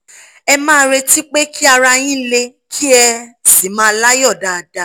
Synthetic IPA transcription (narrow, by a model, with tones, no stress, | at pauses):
ɛ˧mãː˦ɾe˧ti˦k͡pe˦kʰi˦a˧ɾa˧j̃ĩ˦le˧kʰi˦ɛ˧ti˨˦mãː˦˧la˦jɔ˦˨da˨da˨˧